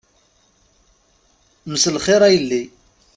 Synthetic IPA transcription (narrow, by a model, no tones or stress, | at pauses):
məsəlχɪɾˤæjəlːi